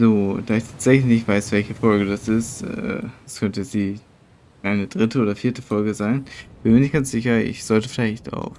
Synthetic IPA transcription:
zoːd̥aːɪçtʰaːtz̥ɛçlɪçnɪçtv̥aɪsv̥ɛlçəfɔlɡədasɪstɛ̰ːɛskʰœntəɛt͡sd̥iː | ʔaɪnədʁɪtəoːdɐfiːɐtəfɔlɡəzaɪnɪçb̥ɪnmiːɐnɪçtɡ̥ansz̥ɪçɐɪ̰çz̥ɔltəfɪlaɪçta̰ʊx

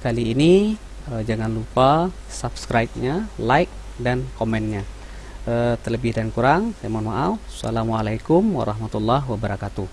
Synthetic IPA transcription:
kaliːni | əd͡ʒaŋanlupa | sapskɾajp̚ɲalaik̚ | dankomɛnɲa | ʔət̪ərləbɪhdankuɾaŋsajmanmaʔafsa̰lamwalajkʊmwa̰ɾɑhmat̪ulːaɦwabəɾakat̪uh

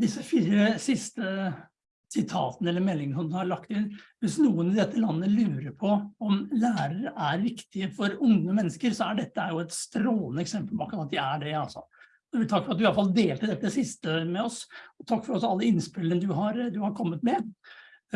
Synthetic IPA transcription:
d̪ɪsːəfiːɾəsɪst̪ə | sɪt̪ʰɑ̰ːt̪ənəɛlːəɾmɛlːɪŋənəsɔmd̪ʉhɑɾɭɑkt̪ɪnʋɪsnuːənɪd̪ɛt̪ʰːəlɑnːəlʉːɾəɾpʰɔɔmlæːɾəɾəʔæɾʋɪkt̪ɪəfɔɾʊŋəmɛnːəskəɾsɔæɖɛt̪ːəæɾjʊɛt̪st̪ɾoːlənəɛksɛmpəlpɔɑkːɾɑɑt̪d̪ɛæɖɛɑlsɔ̰ | d̪ɛʋɪlt̪ʰɑkːfɔɾɑt̪̚d̪ʉɪɑlfɑld̪eːlt̪əd̪ɛt̪ːəd̪ɛsɪst̪əmɛɔsɔt̪ʰɑkːfɔɾɔsɔɑlːəɪnspɪlːənəd̪ʉɦɑɾd̪ʉhɑɾkʰɔmːət̪mɛ

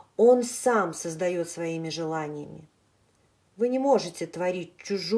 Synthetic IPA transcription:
o̞nsamsəzd̪ɐjo̞t̪svɐimʲɪʐɨlˠanʲɪjəmʲɪ̰ | vɨnʲɪmo̞ʐɨtʲɪt̪vɐɾʲitʲt͡ɕːʊʐ

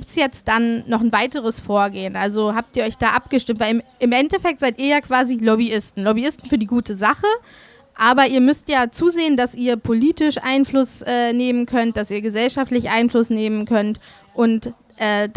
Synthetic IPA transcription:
ɡiːp̚tsjɛt͡std̥anːɔχn̩vaɪtəʁ̞əsfoːɐɡeːənʔalzoɦaːp̚tiːɐɔʏçd̥aːʔap̚ɡ̥əʃtɪmtv̥aɪlmʔɪmʔɛntɛfɛk̚tz̥aɪtiːɐjaːkv̥aːzilɔbiɪstn̩lɔbiɪstn̩fyːɐdiːɡuːtəzaχə | ʔaːbɐʔiːɐmʏstjaːt͡suːzeːəndasʔiːɐpʰoliːtɪʃʔa̰ɪnflʊsʔɛːneːmənkʰœnt̚d̥asiːɐɡəzɛlʃaftlɪçʔa̰ɪnflʊsneːmənkʰœnt | ʔʊnt | ʔɛːd

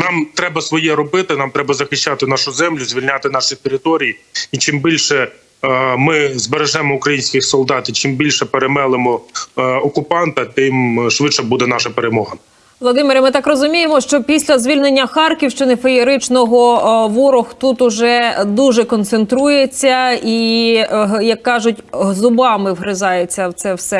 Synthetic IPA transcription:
nɑmt̪ɾɛbɐsʋɔjɛɾɔbɪt̪ɪnɑmt̪ɾɛbɐzɐxɪʃt͡ʃːɑt̪ɪnɑʃʊzɛmlʲʊzʲʋʲilʲnʲɑt̪ɪn̪ɑʃit̪eɾɪt̪ɔɾʲijiit͡ʃɪmbʲilʲʃɛ | mɪzbeɾeʒɛmɔʊkɾɐjinʲsʲkʲɪxsɔlˠd̪ɑt̪it͡ʃɪmbʲilʲʃɛpeɾemɛlˠɪmɔɔkʊpɑnt̪ɐt̪ɪmʃʋɪʃɛbud̪ɛnɑʃɐpeɾemɔɦɐ | ʋlˠɔd̪ɪmeɾʲɐmɪt̪ɑkrɔzʊmʲijemɔʃt͡ʃɔpʲisʲlʲɐzʲʋʲilʲne̞nʲːɐxɑrkʲiwʃt͡ʃɪnɪfejɪɾɪt͡ʃnɔɦɔʋɔɾɔxt̪ut̪ʊʒɛd̪uʒɛkɔnt̪sent̪ɾujet͡sʲːɐi | jɐkːɑʒʊtʲɦzʊbɑmɪwɦɾɪzɑjet͡sʲːɐwt̪sɛwsɛ

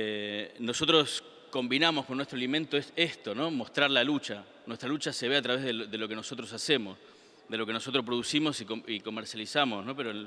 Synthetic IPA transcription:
eno̞so̞t̪ɾo̞s | ko̞mbinamo̞sko̞nːweht̪ɾoalimẽ̞nt̪oeest̪o̞no̞mo̞st̪ɾaɾlalut͡ʃa | nwest̪ɾalut͡ʃaseβe̞at̪ɾaβe̞zðeðelo̞ke̞no̞so̞t̪ɾo̞sase̞mo̞s | ðe̞lo̞ke̞no̞so̞t̪ɾopɾo̞ðusimo̞sioiko̞meɾsjalisamo̞sno̞peɾoe

